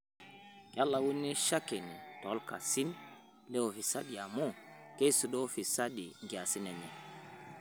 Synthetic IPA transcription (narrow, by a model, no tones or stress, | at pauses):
jalːawunːiʃakɛnitɔlka̰sin | lɛwɔfisaɗiamɔkejsuɗɔfisaɗiɡasinani